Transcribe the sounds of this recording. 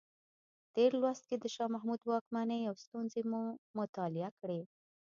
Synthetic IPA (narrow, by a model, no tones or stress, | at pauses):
t̪eɾlwast̪̚ked̪əʃɑmaɦmud̪wɑkmanejawst̪unzemumʊt̪ɑlɪakɽe